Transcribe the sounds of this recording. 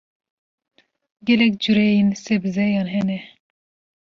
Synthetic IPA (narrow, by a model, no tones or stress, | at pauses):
ɡɛlɛk̚d͡ʒuɾɛjinsɛbzɛjɑːnɦɛnɛ